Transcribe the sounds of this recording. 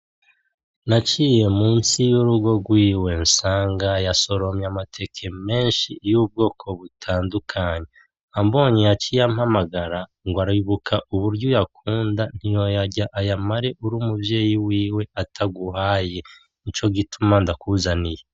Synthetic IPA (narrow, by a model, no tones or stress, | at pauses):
nat͡ʃiːje̞muːnsijuɾuɡo̞ɡwiːwe̞nsaːŋɡajaso̞ɾo̞mjamatʰe̞kʰe̞me̞ːnʃijuːb̚ɡo̞ːkʰo̞βutʰaːndukʰaɲe | ambo̞ɲijat͡ʃijamhamaɡaɾa | ŋɡwaɾiβukʰaʔuβuɾɟujakʰuːndan̥hijo̞jaɟaʔajamaɾe̞ʔuɾuːmubje̞ːjiwiːwe̞atʰaɡuɦaːje̞ | it͡ʃo̞ɡitumandakuzanije